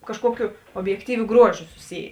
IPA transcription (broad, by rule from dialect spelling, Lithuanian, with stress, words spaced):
kɐʃˈkuɔkʲʊ oːbʲjɛkˈtʲiːʋʲʊ ˈɡruɔˌʒʲʊ sʊˈsʲiːjeː